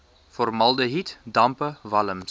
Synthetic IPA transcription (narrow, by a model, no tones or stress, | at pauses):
fɔrmɐlˠdəɦitdɐmpəvɐləm